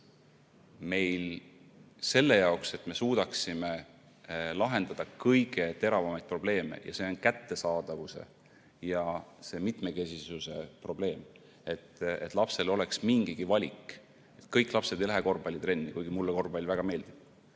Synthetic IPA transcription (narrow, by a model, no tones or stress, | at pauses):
me̞jl | se̞lːe̞jɑokse̞t̪me̞suːd̪̥ɑksime̞ | lɑɦe̞nd̪̥ɑd̪̥ɑkɤjɡ̥e̞t̪e̞ɾɑvɑmɑjd̪̚pro̞ble̞ːme̞̰jɑ̰se̞onkæt̪ːe̞sɑːd̪̥ɑvuse̞̰ | jɑse̞ːmit̪me̞ke̞sisuse̞pro̞ble̞ːm | e̞t̪ːe̞t̪ːˑlɑpse̞lo̞le̞ksmiŋɡ̥iɡ̥ivɑlʲik | e̞t̪kɤjkːˑlɑpse̞d̪ejlæɦeko̞rbɑlʲːit̪ɾe̞nːikujɡ̥imulːeko̞rbɑlʲvæɡ̥ɑme̞ːld̪ib̥̚